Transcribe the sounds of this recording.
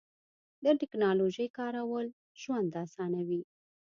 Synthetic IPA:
d̪əʈɪknɑloʒəjkɑɾawəl | ʒwand̪asɑnawi

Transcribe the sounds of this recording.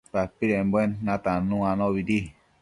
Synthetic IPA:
t̪apiɾembwenːãt̪anũãnɔ̃βidi

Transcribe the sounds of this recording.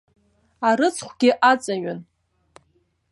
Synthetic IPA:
aɾɨt͡sʰχʷɡ̥ʲɪʔat͡sʼaɥan

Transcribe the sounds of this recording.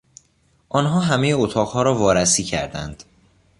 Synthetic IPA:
ʔɒːnɦɒːɦæme̞jeot̪ʰɒːʁhɒːɾɒːvɒːɾæsiːcʰæ̰ɾd̪æ̰nd̪̥

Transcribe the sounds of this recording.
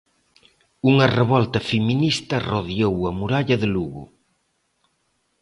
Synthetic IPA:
uŋɐreβɔlt̪ɐfeminist̪ɐroðjowɐmuɾaʎɐðɪluɣʊ̰

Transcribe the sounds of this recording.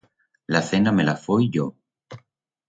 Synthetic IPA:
laθenamelafojʝo

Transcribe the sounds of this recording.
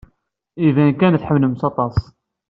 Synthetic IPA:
ivænkænθħəmnəmsɑt̪ˤɑs

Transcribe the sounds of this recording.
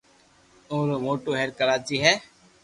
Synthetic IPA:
õːɾoːmoːʈoːɦɛːɾkəɾaːt͡ʃiːɦɛː

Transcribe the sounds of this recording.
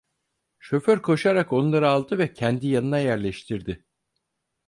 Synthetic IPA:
ʃø̞føɾkʰo̞ʃaɾako̞nnlˠaɾɯalˠd̪ɯvɛcʰɛnd̪ijanɯnajæɾlʲɛʃt̪ʰiɾd̪ɪ

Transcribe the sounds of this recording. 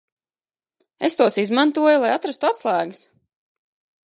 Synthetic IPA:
est̪uɔsizmant̪uɔjulˠajat̪ɾast̪uat̪slˠæːɡɨs

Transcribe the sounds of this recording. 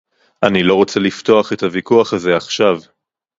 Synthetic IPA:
ʔanilo̞ʁot͡selift̪o̞aχe̞thavikuaχaze̞aχʃav

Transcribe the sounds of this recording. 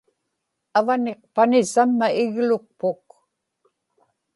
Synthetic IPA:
avane̞q̚panɪsamːaɪɣlʊk̚pʊk

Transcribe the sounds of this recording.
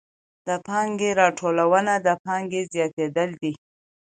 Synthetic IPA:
d̪̥əpɑŋɡeɾɑʈʰolawənad̪əpɑŋɡezjɑt̪ed̪əld̪i

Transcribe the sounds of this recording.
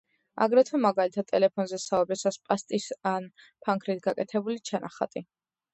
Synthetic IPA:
a̰ɡɾɛt̪ʰwɛmaɡalit̪ʰad̪̚ʼɛlɛpʰɔnzɛsaɔbɛsaspʼast̪ʼisan | pʰaŋkʰɾit̪ʰɡakʼɛt̪ʰɛbulit͡ʃʰanaχa̰t̪ʼi

